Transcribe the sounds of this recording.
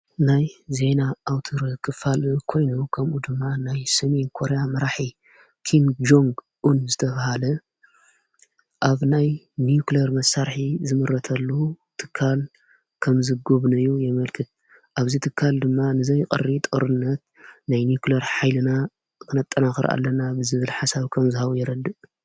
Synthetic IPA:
najze̞naːwt̪ʰoɾkʰɨfalkʰo̞jnukʰɐmʔud̪ɨmːanajsɐmenkʰo̞ɾejamɐɾaħi | kʰimd͡ʒoŋɡ | ʔunzɨt̪ʰɐβahalɐ | ʔaβnaj | nijuklɐɾmɐsːaɾħizɨmɨɾɐt̪ʰɐlːu | t̪ʰɨ̥kʰːal | kʰɐmzɨɡoβnɐjujɛmɐlkʰɨt̪̚ | ʔaβzit̪ʰɨkʰːald̪ɨmːanɨzɐjkʼɨ̰rit̪ʼoɾɨnːɐt̪̚ | najnijuklɐɾħajlɨna | kʰɨnɐt̪ʼːɐnaxɨɾʔa̰lːɐnabɨzɨβɨlħasaβkʰɐmzɨhaβujɪɾɐd̪ːɨʔ

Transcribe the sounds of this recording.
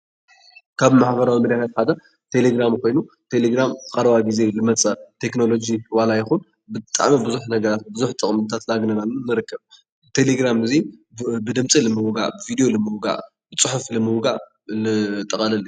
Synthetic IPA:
kʰaβmaħbɐɾawimɨɾjat̪at̪ħad̪ɐ | t̪ʰe̞leɡɾamkʰo̞jnut̪ʰe̞leɡɾamkʼɐɾɐβaɡize̞lɨmɐt͡sʼɐt̪ʰe̞kno̞lo̞d͡ʒiwalajɪxun | bɨt̪ʼa̰ʕmibɨzuħnɐɡɐɾat̪bɨzuħt̪ʼɨχʼmt̪ʰat̪laɡnɐnalunːɨɾɨkːɐβ | t̪ʰe̞leɡɾamɨzibɨd̪ɨmt͡sʼilɨmɨwɡa̰ʔbɨvid̪ijo̞lɨmɨwɡa̰ʔ | b̥ɨt͡sʼɨħuflɨmɨwɡaʔ | lɨt̪ʼɨχʼɐlɐlːi

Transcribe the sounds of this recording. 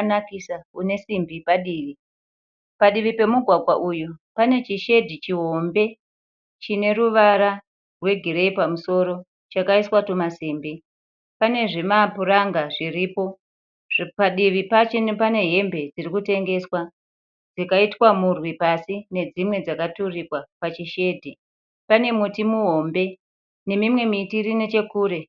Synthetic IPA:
nakisakune̞simbipaɗiːʋi | paɗiʋipe̞muɡʱwaɡʱwaʔujupane̞t͡ʃiʃe̞dʱit͡ʃiɦo̞mbe̞ | t͡ʃine̞ɾuʋaɾa | rwe̞ɡʱiɾeipamuso̞ɾo̞ | t͡ʃakaiswatomasiːmbi | pane̞ʐimapuɾaŋɡaʐiriːpo̞ | ʐpaɗiʋipat͡ʃe̞npane̞ɦe̞mbe̞d͡zirikute̞ŋɡe̞swa | d͡zikaitwamurwipasine̞d͡zimwe̞d͡zakaturikwapat͡ʃiʃe̞ːdʱi | pane̞mutimuɦo̞mbe̞ | ne̞mimwe̞mitiɾine̞t͡ʃe̞kuːɾe̞

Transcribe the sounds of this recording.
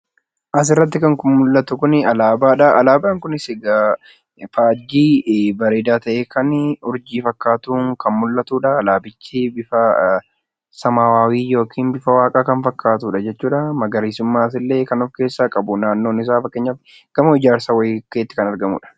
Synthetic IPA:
ʔɐs̬ɪrːɐt̪̬ːɪkɐŋkʊmmʊlːɐt̪ʊkʊnɪɐlaːbaːᶑɐʔɐlaːbaːŋkʊnɪsɪɡɐ | faːd͡ʒːiːbɐɾeːd̪aːt̪ɐʔeːkʰɐnʊɾd͡ʒiːfɐkːaːt̪uːŋkɐnmʊlːɐt̪uːᶑɐːlaːbɪt͡ʃːɪbɪfɐ | sɐmaːwaːwiːjo̞ːkʰiːnbɪfɐwaːkʼaːkɐnfɐkːaːt̪uːᶑɐd͡ʒɛt͡ʃːuːᶑɐmɐɡɐɾiːsʊmːaːɐs̬ɪlːe̞ːkɐnɔfke̞ːsːakʼɐbʊnaːnːo̞ːnɪs̬aːfɐkːeːɲːaɪ | ɡ̥ɐmʊɪd͡ʒaːɾsawɐjkeːt̪ːɪ̥kɐnɐɾɡɐmʊ̰ːᶑɐ̥

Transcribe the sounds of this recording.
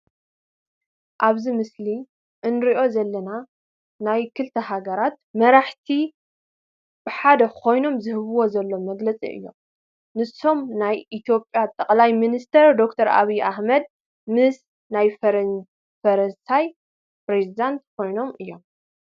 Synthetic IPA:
ʔaβzimɨsli | ʔɨnɾiʔo̞zɐlːɐna | najkʰɨlt̪ʰɐɦaɡɐɾat̪mɐɾaħt̪ʰi | b̥ɨħad̪ɐkʰo̞jno̞mzɨhɨβɨwo̞zɐlːo̞mɐɡlɐt͡sʼḭʔɨ̰jːo̞̰m | nɨsːo̞mnajʔit̪ʰjo̞pʼjat̪ʼɐkʼlajminist̪ʰɐɾd̪o̞kt̪ʰɐɾa̰βiʔaħmɐd̪̚ | mɨs | naj | fɐɾɐnsaj | pɾezid̪ant̪kʰo̞jno̞mɨjːo̞m

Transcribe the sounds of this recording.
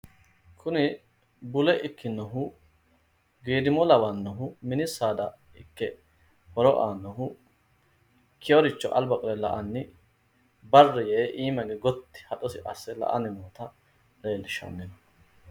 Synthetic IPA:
kʰʊnɪ | bʊlɛʔɪkːɪnːɔɦʊ | ɡeːd̪ɪmɔlɐwanːɔɦʊmɪnɪsːaːd̪ɐ | ɪkːɛ | hɔɾɔʔaːnːɔɦʊ | kʰɪjɔɾɪt͡ʃːɔ̰ʔɐlbɐkʼɔɾɛlɐʔɐnːɪ | bɐrːɛjɛʔiːmɐɡɛɡɔt̪ːɪ̥hɐt̪ʼɔsɪʔɐsːɛlɐ̰ʔɐ̰nɪmoːt̪ɐ | leːlːɪʃɐ̰nːɛnɔ

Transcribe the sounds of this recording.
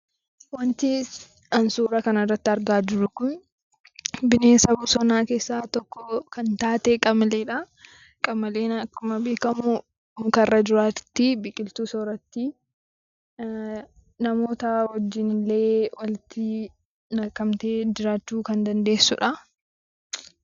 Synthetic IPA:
wɐnt̪ɪ | ɐnsuːɾɐkɐnɐrːɐt̪ːɪɐɾɡaːd͡ʒɪɾʊkʊn | bɪneːsɐbusɔnaːke̞ːsːaːt̪ɔkːɔkɐnt̪aːt̪eːkʼɐmɐleːᶑɐ | kʼɐmɐleːnɐkːʊmɐbeːkɐmʊ | mʊkɐrːɐd͡ʒɪɾaːt̪ːɪbɪkʼɪlt̪uːsɔɾɐt̪ːɪ | nɐmo̞ːt̪ɐhɔd͡ʒːɪnɪle̞ːwɐlɪt̪ɪ | nɐkːɐmt̪e̞ːd͡ʒɪɾaːt͡ʃːuːkɐnd̪ɐnd̪e̞ːsːʊ̰ᶑɐ

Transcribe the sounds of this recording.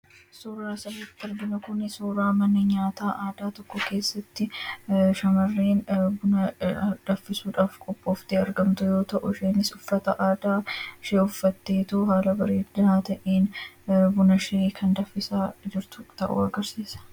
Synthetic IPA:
suːɾːaːsɐbɪt̪ɐɾb̪ɪnɐkʊnɪsuːɾaːmɐnːɐɲaːt̪aːʔaːd̪aːt̪ɔkːɔke̞ːsːɐt̪ːɪʃɐmɐrːeːnbʊnɐd̪ɐfːɪsuːᶑaːfkʼɔpʼːo̞ːft̪eɐɾɡɐmt̪ʊjo̞ːt̪ɐʔʊʃenɪsʊfːɐt̪ɐʔaːd̪aːʃeːʊfːɐt̪ːe̞ːt̪uɦaːlɐbɐɾeːd̪ɪnaːt̪ɐʔeːnbʊnɐʃekʰɐnd̪ɐfːɪsaːd͡ʒɪɾt̪ʊ̥t̪ɐ̰ʔʊ̰ɐɡɐɾsiːsɐ̥

